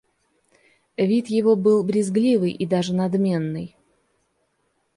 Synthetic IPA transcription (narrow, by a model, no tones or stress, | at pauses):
vʲit̪jɪvo̞bɨlˠbɾʲɪzɡlʲivɨjʔid̪aʐɨnɐd̪mʲe̞nːɨj